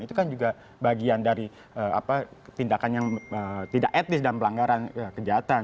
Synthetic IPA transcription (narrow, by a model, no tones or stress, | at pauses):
it̪ukand͡ʒuɡa | baɡiandaɾi | əa̰pat̪indakanjaŋət̪idakɛt̪ɪsdanpəlaŋɡaɾankəd͡ʒaɦat̪a